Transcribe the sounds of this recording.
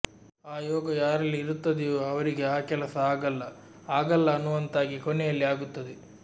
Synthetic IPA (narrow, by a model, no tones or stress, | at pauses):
aːjɔːɡɐjaːɾɐlːiːɾut̪ːɐd̪ejoɐʋɐɾiɡe̞aːkɛlɐsɐaːɡɐlːɐ | aːɡɐlːɐːnːuʋɐnt̪aːɡikonɛjɐlːiaːɡut̪ːɐd̪e